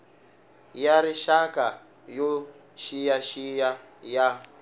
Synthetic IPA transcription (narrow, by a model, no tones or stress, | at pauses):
jaɾiʃaka | jo | ʃijaʃija | ja